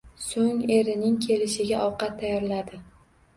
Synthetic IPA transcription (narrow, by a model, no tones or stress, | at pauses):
soŋe̞ɾɪnɪŋkʲʰe̞lɪʃɪɡʲaʔɒwqɑt̪ʰːajɒɾlad̪ɪ